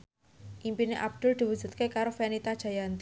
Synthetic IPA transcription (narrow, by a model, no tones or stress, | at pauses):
ʔimpineʔab̚d̪̥ʊ̤ld̪̥i̤wu̥d͡ʒ̥ṳt̪̚kekaɾofenit̪ad̥ʒ̥a̤jant̪